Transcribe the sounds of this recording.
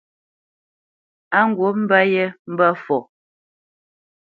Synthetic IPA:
a˦ŋ̩˨ɡwo˨˦m̩˦ba˦jɛ˦m̩˦ba˦fɔ˨

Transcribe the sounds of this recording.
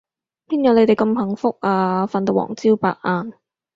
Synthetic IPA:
pʰiː˥njɐ˨˧wne˨˧jt̪e˨˩jkɐ˧mɦɐ˨˩ŋfʊ˥k̚aː˧fa˨nt̪o˨wɔ̰ː˨˩ŋt͡siː˥wpa̰ː˨k̚ʔaː˧n

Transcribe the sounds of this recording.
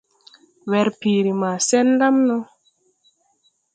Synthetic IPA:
wɛ˨ɾpiː˨ɾi˨ma˨sɛ˦nda˦mnɔ˦

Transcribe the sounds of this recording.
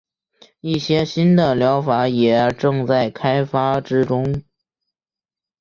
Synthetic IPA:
i˥˩ɕjɛ˥ɕi˥nd̪ə˨ljɑ˧˥ʊfa˧˥jɛ˨˩ʈ͡ʂɤ˥˧ŋt͡sa˥˩ɪkʰa˥ɪfa˥ʈ͡ʂɻ̩˥ʈ͡ʂʊ˥ŋ

